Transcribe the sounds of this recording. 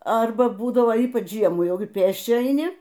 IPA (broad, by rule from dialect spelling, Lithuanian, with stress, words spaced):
ˈɐrbɐ ˈbuːdɐʋoː ˈiːpɐt͡ʃ ˈʒʲiɛmuː ˈjɛʊɡʲɪ ˈpʲeːsʲt͡ʃʲɛ ɐɪˈnʲɪ